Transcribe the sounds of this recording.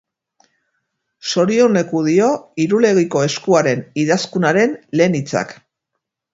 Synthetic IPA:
so̞ɾio̞ne̞kuðio̞iɾule̞ɣiko̞e̞skuaɾe̞niðaskunaɾe̞nle̞ːnit͡sa̰k

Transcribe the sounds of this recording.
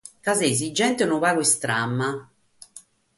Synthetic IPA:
kazez̬id͡ʒːɛnt̪enuvaːloist̪ɾamːa

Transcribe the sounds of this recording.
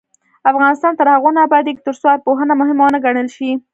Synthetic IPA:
afɣɑnɪst̪ɑnt̪əɾhaɣonabajad̪jekt̪əɾsoad̪̚poɦənamʊɦɪmawnaɡaɽəlʃi

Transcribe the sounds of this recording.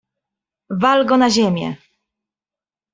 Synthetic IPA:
valɡɔnaʑemʲjɛ̰

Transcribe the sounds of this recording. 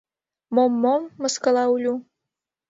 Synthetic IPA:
momːomːɤ̆skɤ̆lɑulʲu

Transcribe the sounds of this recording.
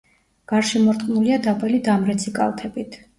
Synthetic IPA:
ɡ̥aɾʃimɔɾt̪ʼqʼnuliad̪apʼɛlid̪amɾɛt̪sʰikʼa̰lˠt̪ʰɛbit̪ʰ

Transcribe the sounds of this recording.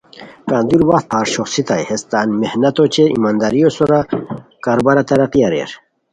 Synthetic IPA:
kaːnd̪uɾwat̪̚pʰaːɾɕoχsit̪ajhest̪aːnmehnɐt̪ot͡ɕeʔḭmaːnd̪aɾijosoɾakaɾobaɾat̪ɐɾɐqiɐɾḛɾ

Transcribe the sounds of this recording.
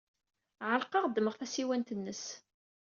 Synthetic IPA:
ʕəlqɑʁd̪ːməʁθæsiwænt̪ənːəs

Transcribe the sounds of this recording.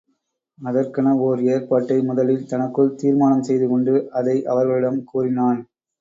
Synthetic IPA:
ɐðɐrkɐnɐoːɾeːɾpaːʈːɐɪmʊðɐlɪlt̪ɐnɐkːɯɭt̪iːɾmaːnɐmsɛjðɯkɔɳɖɯʔɐðɐɪʔɐ̰ʋɐɾɣɐɭɪɽɐmkuːrɪnaːn

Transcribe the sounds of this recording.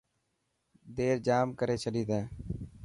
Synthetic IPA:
d̪eːɾd͡ʒaːmkəɾeːt͡ʃʰəɗiːt̪d̪ẽː

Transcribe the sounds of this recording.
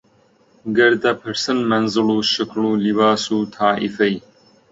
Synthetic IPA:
ɡɨɾd̪ɐpʰɨɾsɨnmɐnzɨluːʃɪkluːlibaːsuːt̪ʰaːʔifɐj

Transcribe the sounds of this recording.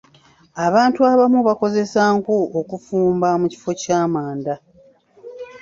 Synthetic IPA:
aβaːntuaβamuβako̞ze̞saːŋkuokufuːmbamuci̥fo̞caːmaːnda

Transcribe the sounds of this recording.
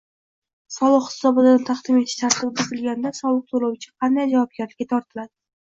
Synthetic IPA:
sɒlˠɨqhɪ̥sɒbɪd̪ant̪ʰɑχd̪ɪme̞t̪ʰɪ̥ʃt̪ʰaɾt̪ʰɪbbɪzɪlɡʲand̪asɒlˠɨq̚solˠawt͡ʃʰɪ̥qʰɑnd̪ajd͡ʒavɒb̚ɡʲaɾlɪkʲːat̪ʰɒɾt̪ʰɪlad̪ɪ

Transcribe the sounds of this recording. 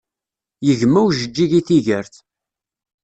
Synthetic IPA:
jəʝmæwʒəd͡ʒːiʝiθiʝəɾθ

